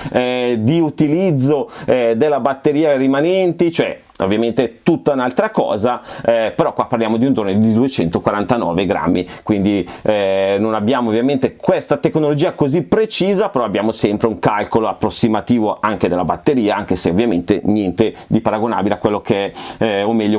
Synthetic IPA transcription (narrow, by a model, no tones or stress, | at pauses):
ɛd̪iut̪ilid̪zːod̪elːabat̪ːeɾiːarimanɛnt̪it͡ʃoɛ̰ | o̰vːjament̪et̪ut̪ːaunalt̪ɾakɔ̰ːzaɛpeɾɔkwapːarljaːmod̪iund͡ʒ̪oːned̪id̪uet͡ʃɛnt̪okwaɾant̪anɔ̰ːveɡɾa̰mːikwind̪iɛnonabːjaːmovːjament̪ekwest̪at̪eknolod͡ʒiːakozipːɾet͡ʃiːzapeɾɔabːjaːmosɛmpɾeuŋkalkoloapːɾosːimat̪iːvoʔaŋk̟ed̪elːabat̪ːeɾiːaaŋk̟eseo̰vːjamḛnt̪ḛɲɛnt̪ed̪ipaɾaɡona̰ːbileakwelːokeɛomɛʎːo